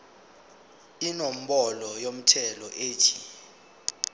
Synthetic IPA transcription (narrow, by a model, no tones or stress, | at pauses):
inom̩ɓɔlɔjom̩tʰɛlɔʔeːtʰi̥